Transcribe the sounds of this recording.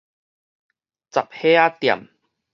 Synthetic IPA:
t͡sa˨p̚heː˦a˦t̪j̰m

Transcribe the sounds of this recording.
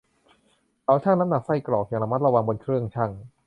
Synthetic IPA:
ʔa˧˥wt͡ɕʰaː˥˩na˦˥mna˨˩k̚sa˧˥˩jklɔː˨˩k̚ja˨˩ŋla˧ma˥˩ɾa˧wa˧ŋbo˧nkʰɾɯ˥˩əŋt͡ɕʰa˥˩ŋ

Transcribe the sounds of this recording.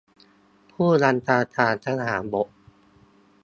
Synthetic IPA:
pʰuː˥˩la˧nt̪ʰaː˧t̪ʰaː˧nt̪ʰa˦˥ŋɦaː˩˦nbo˨˩˦ʔ

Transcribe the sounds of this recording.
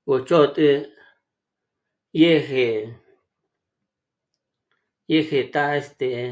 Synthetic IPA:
o˨t͡ʃo˦˧t̪ʼɨ˦ | je˦˧he˨ | je˦˧he˨t̪a˦˧e˦st̪e˨˧

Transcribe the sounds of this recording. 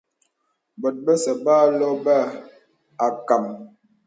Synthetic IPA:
bɔ˨t̚bə˦sə˨baː˦lɔ˦ba˦ | a˨ka˨m

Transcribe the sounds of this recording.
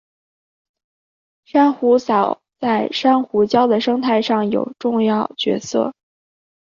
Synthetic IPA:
ʂa˥nxu˧˥sɑ˨˩ʊ | t͡sa˥˩ɪʂa˥nxu˧˥t͡ɕjɑ˥ʊd̪ə˨ʂɤ˥ŋt̪ʰa˥˧ɪʂɑ˥˩ŋjo˨˩ʊʈ͡ʂʊ˥˧ŋjɑ˥˩ʊt͡ɕɥɛ̰˧˥sɤ̰˥˩

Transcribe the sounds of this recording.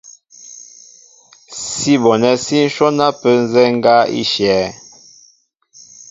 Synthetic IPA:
si˦bɔ˨nɛ˦si˦n̩˦ʃɔ˦na˦pə˦n̩˦zɛ˦ŋ˦ɡa˦ḭ˦ʃjɛː˨˦

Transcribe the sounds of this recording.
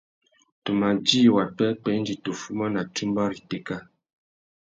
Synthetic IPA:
to˨ma˨d͡ʒi˦wa˨pɛ˦pɛ˦n˦d͡ʒi˨to˨fu˦mɔ˦na˨ti˦mbɔ˦ɾi˨te˦ka˦

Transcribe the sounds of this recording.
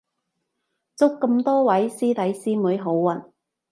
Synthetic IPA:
t͡sʊ˥kːə˧mt̪ɔː˥wɐ˨˥jsiː˥t̪ɐ˨˥jsiː˥muː˨˥jɦo˨˥wːɐ˨˩n

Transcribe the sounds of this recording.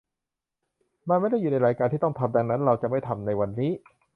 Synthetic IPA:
ma˧nma˥˩jda˥˩jːuː˨˩na˧˥jɾaː˧jkaː˧nt̪ʰiː˥˩t̪ɔ˥˩ŋt̪ʰa˧p̚da˧ŋna˦˥nɾa˧wt͡ɕa˨˩ʔma˥˩jt̪ʰa˧mna˧jwa˧nːiː˦˥

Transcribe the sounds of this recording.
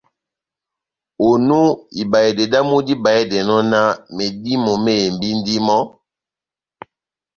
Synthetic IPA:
o˨nu˦i˨ba˨ɛ˨dɛ˨da˦mu˦di˦ba˨ɛ˦dɛ˨nɔ˦na˦me˨di˦mo˨me˦e˨mbi˦n˦di˦mɔ˦

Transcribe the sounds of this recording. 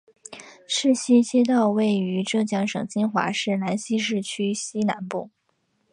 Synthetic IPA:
ʂɻ̩˥˩ɕi˥ɕi˥t̪ɑ˥˧ʊwe˥˩ɪy˧˥ʈ͡ʂɤ˥˧ɕjɑ˥˩ŋʂɤ̰˨˩ŋt͡ɕi˥nxwa̰˧˥ʂɻ̩˥˩na˧˥nɕi˥ʂ̬ɻ̩˥˩t͡ɕʰy˥ɕi˥na̰˧˥npṵ˥˩

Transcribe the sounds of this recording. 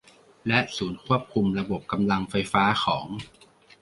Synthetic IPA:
lɛ˦˥ʔsuː˩˦nkʰu˥˩əp̚kʰu˧mɾa˧bo˨˩p̚ka˧mla˧ŋfa˧jfaː˦˥xʰɔː˩˦ŋ

